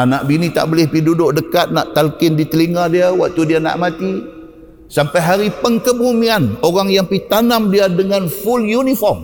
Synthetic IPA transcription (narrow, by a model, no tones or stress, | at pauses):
anaʔbinit̪a̰ʔbolɪhpidudʊʔdəkat̪̚naʔt̪alkɪndit̪əliŋadiawa̰k̚t̪udiana̰ʔmat̪i | sampajɦaɾipəŋkəbumianoɾaŋjaŋpit̪anamdiadəŋanfuljunifɔrm